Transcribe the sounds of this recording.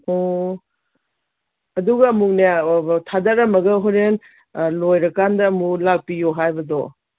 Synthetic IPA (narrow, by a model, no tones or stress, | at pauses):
o | ɐduɡɐːmuknatʰadɐɾɐmɐɡɐɦoɾen | lojɾɐkandɐːmulak̚pijoɦajbɐdɔ